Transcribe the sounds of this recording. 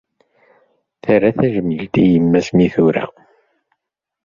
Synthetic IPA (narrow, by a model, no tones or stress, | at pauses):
θəræθæʒəmːəlt̪ijəmːæsmiθuɾæ̰